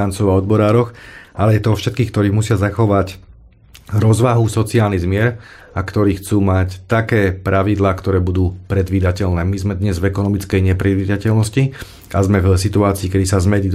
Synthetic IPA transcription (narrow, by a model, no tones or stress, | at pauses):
ant͡sɔʊaɔd̪bɔɾaːɾɔxalɛjɛt̪ɔɔfʃɛt̪̚kiːxk̚t̪ɔɾiːɣmusɪazaxɔʋac | ɾɔzʋaɦusɔt͡siaːlnizmɪɛɾ | akt̪ɔɾiːxt͡suːmact̪akɛːpɾʔaʋid̪laːkt̪ɔɾɛːbud̪uːpɾɛd̪ʋiːd̪acɛlnɛːmizmɛd̪ɲɛzvɛkɔnɔmit͡skɛjɲɛpɾɛd̪ʋiːd̪acɛlnɔsci | ʔazmɛvsit̪uaːt͡siːkɛd̪isazmɛdi